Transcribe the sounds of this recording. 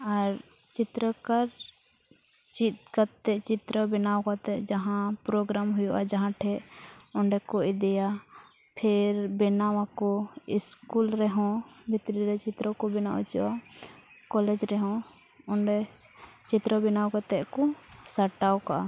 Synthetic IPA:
aɾ | t͡ʃit̪ɾəkaɾ | t͡ʃit̪kat̪ɛt͡ʃit̪ɾɔbɛnawkat̪ɛʔd͡ʒaɦãpɾɔɡɾamɦujɔʔad͡ʒaɦãʈʰɛʔɔɳɖɛkɔid̪ɛja | pʰɛɾbɛnawakɔiskulɾɛɦɔ̃bʱit̪ɾiɾɛt͡ʃit̪ɾɔkɔbɛnaʔṵt͡ʃɔ̰ʔa | kɔlɛd͡ʒɾɛɦɔ̃ | ɔɳɖɛ | t͡ʃit̪ɾɔbɛnawkat̪ɛʔkɔsaʈawkaʔa

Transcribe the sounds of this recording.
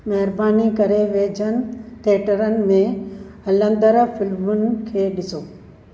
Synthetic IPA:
mɐɦɪɾbaːnikɐɾeʋeːd͡ʑʱənɪ̆t̪ʰeːʈəɾənɪ̆mẽɦɐlə̃nd̪əɾfɪlmʊnɪ̆kʰeːɗɪsoː

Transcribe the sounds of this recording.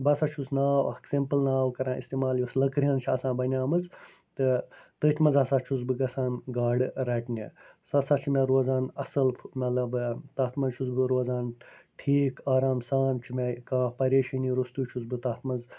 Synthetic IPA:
bɐsat͡ʃʰusnaːksempɨlnaːwkɐɾãːʔist̪eːmaːljɐslɐkɾʲɐːnt͡ʃʰiɐsãːbɐnʲaːmɨz | t̪ɨt̪ɨːt̪ʲʰmɐnzɐsat͡ʃʰuzbɨɡɐsãːnɡaːɖɨɾɐʈnʲḛsɐsat͡ʃʰimeɾoːzãːnɐsɐlpʰmɐt̪lɐbt̪aːt̪ʰmɐzt͡ʃʰuzbɨɾoːzaːnʈʰiːkaːɾaːmsaːnt͡ʃʰimekãːpɐɾeːʃɐniːɾust̪uːt͡ʃʰuzbɨt̪aːt̪ʰmɐnz

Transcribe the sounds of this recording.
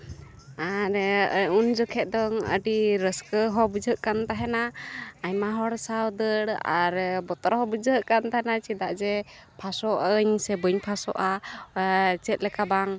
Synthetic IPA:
aɾund͡ʒɔkʰɛt̪̚d̪ɔŋə̰ɖiɾəskəɦɔbud͡ʒəʔkant̪aɦɛnaaɲmaɦɔɽsawd̪əɽa̰ɾbɔt̪ɔɾɦɔbud͡ʒəʔkant̪aɦɛnat͡ʃid̪aʔd͡ʒɛ | pʰasɔʔəɲsɛbəɲpʰasɔ̰ʔa | t͡ʃɛt̪̚ˀlɛkabaŋ

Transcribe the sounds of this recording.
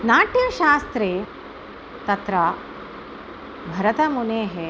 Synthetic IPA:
naːʈjɐʃaːst̪ɾeː | t̪ɐt̪ɾɐ | bʱɐɾɐt̪ɐmuneːɦe

